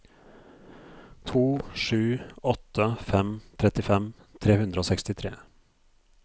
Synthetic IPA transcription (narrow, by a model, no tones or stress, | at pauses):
t̪ʰuːʂʉːɔt̪ːəfɛmt̪ʰɾɛt̪ɪfɛm | t̪ʰɾeːhʉnd̪ɾəoːsɛkst̪ɪt̪ʰɾḛː